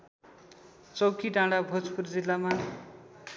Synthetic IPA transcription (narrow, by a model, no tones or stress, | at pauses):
t͡sʌwkiɖãɽabʱot͡spurd͡zilːama